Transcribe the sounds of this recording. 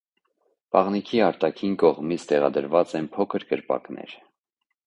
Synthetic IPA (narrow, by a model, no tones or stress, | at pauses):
pɑʁnikʰiɑɾt̪ɑkʰinkɔʁmit͡sʰt̪ɛʁɑ̰d̪əɾvɑt͡sɛnpʰɔkʰəɾkəɾpɑ̰knɛ̰ɾ